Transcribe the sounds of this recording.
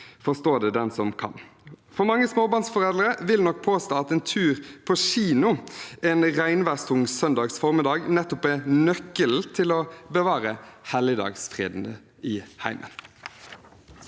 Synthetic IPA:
fɔʁst̪oːd̪ɛd̪ɛnsɔmkʰɑ̰nfɔmɑŋːəsmoːbɑːnsfɔʁeːləɾəʋɪlnɔk̚pʰoːst̪oːɑt̪eːnt̪ʰʉːʁpʰɔʃiːnʊeːnʁæɪnʋæʁst̪ʰʊŋsœnd̪ɑːɡsfɔʁmɪd̪ɑːɡnɛt̪ːʊpɛnœkːəlt̪ʰɪlɔbəʋɑːʁəhɛlɪd̪ɑ̰ːɡsfʁḛːd̪n̩ə | ɪhæɪmʔə̰n

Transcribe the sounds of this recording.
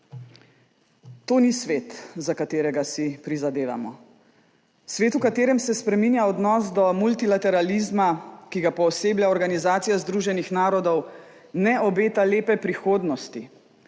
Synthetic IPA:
t̪oːnisʋeːt̪zakat̪eːɾɛɡasipɾizad̪eːʋa̰mɔ | sʋeːt̪ukat̪eːɾɛmsɛspɾɛmiːnjaɔd̪nɔːsd̪ɔmult̪ilat̪ɛɾalizmakiɡapɔːseːbljaɔɾɡanizaːt̪sijazd̪ɾuːʒɛnixnaːɾɔd̪ɔw | nɛɔbeːt̪aleːpɛpɾixoːd̪nɔst̪i

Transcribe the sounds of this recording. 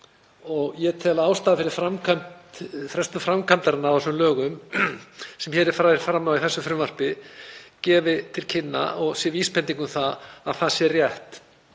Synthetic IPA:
ɔɣjɛɾt̪ʰɛːlaaːwst̪aðafɪɾɪɾ̥fɾamkʰantfɾɛst̪ʏfɾamkʰant̪aɾɪnːaavɛsmlœːɣʏm | sɛmçɛːɾɛɾfɾaɾfɾamːawiθɛsːʏfɾʏmvar̥pɪcɛːvɪt̪ʰɪlcʰɪnːa̰ɔɣsjɛviːspʰɛnt̪iŋkʏmθaaðθaðsjɛrrjɛht̪

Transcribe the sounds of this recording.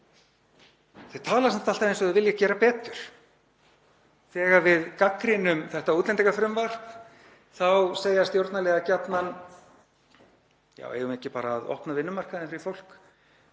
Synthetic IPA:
θeð̥t̪ʰaːlaɾsɛm̥t̪al̥t̪avejnsɔɛðvɪljacɛːɾapɛːt̪ʏɾ̥ | θɛːɣavɪðkakɾɪnʏmθɛht̪auːt̪lɛnt̪ɛkafɾʏmvar̥t | θawseːjast̪jowɾt̪nalɛːɣacat̪nan | ja̰ːwḛjʏmɪcɪpaːɾaːðɔ̰hpnavɪnːʏmar̥kaðɛnfɪɾɪ̥fowl̥k

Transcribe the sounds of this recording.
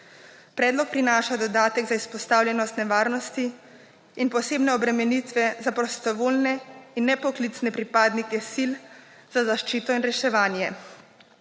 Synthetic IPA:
pɾɛːd̪lɔk̚pɾinaːʃad̪ɔd̪aːt̪ɛɡzaispɔst̪aːwljɛnɔst̪nɛʋaːɾnɔst̪iː | npɔseːbnɛɔbɾɛmɛnit̪ʋɛzapɾɔst̪ɔʋoːlnɛinːɛpɔklit̪snɛpɾipaːd̪nikɛsil | z̥azaʃt͡ʃiːt̪ɔinɾɛʃɛʋaːnjɛ

